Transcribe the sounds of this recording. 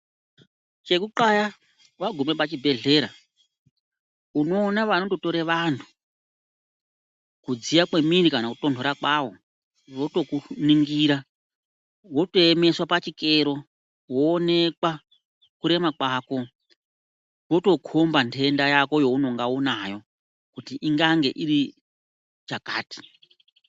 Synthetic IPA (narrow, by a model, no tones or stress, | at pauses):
t͡ʃe̞kuǃaja | waɡʱume̞pat͡ʃibʱe̞ɮe̞ːɾa | uno̞ːnaʋano̞to̞to̞ɾeʋantʰu̥ | kud͡zijakwe̞mirikanakuto̞ndʱoɾakwaʋo̞ | ʋo̞to̞kuniŋɡiɾa | wo̞to̞eme̞swapat͡ʃikeɾo̞ | woːne̞kwa | kuɾe̞makwaːko̞ | wo̞to̞kʰombantʰe̞ndajako̞jo̞uno̞ŋɡaunajo̞ | kutiʔiŋɡaŋɡe̞̰ʔiɾi | t͡ʃakaːti̥